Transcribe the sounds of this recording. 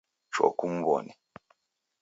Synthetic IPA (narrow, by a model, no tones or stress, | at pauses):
t͡ʃɔ̰kum̩bɔ̰ni